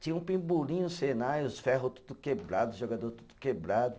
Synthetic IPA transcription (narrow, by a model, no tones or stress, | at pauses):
t͡ʃĩɲɐ̃ũpĩmbulĩɲʊsenajʊsfɛɦʊt̪u̥d̪ʊkebɾad̪ʊʒoɡad̪oɾt̪ud̪ʊ̥kebɾad̪ʊ